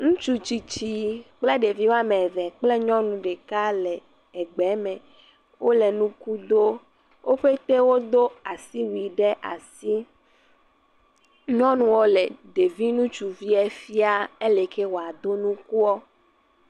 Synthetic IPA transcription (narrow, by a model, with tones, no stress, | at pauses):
ŋũ˦t͡ʃu˦t͡ʃi˨t͡ɕi˦k͡ple˦ɖe˨vi˦wo˦a˦mɛ̃˨vɛ˨k͡ple˦ɲɔ̃˦nũ˨ɖe˨ka˦lɛ˨ | ɛ˨ɡ͡bɛ˨˦mɛ̃˨ | wʔo˦lɛ˨nũ˦ku˦d̪o˦ | wʔo˦ɸe˦t̪e˦wo˦d̪o˦a˨si˦wi˨ɖe˦ʔa̰˨si˦ | ɲɔ̃˦nũ˦wɔ˦le˨ɖe˨vi˦nũ˦t͡ʃu˨vi˦ɛ˦fi˦a˦e˦le˨ke˦wo˨a˨d̪o˦nũ˦ku˦ɔ˦